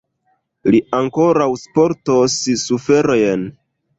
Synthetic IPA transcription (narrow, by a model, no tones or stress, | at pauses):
liaŋko̞ɾawspo̞ɾtossufe̞ɾojen